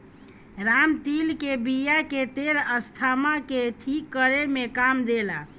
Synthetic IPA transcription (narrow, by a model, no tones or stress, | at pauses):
ɾamt̪ilkebijaket̪eɾəst̪ʰamakeʈʰikːəɾemekamd̪ela